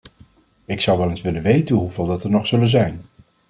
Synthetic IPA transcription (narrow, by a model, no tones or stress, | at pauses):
ɪksɑwʋɛlensʋɪlənʋejtənɦuvɪlˠdɑtəɹnɔχsɵlənzɛjn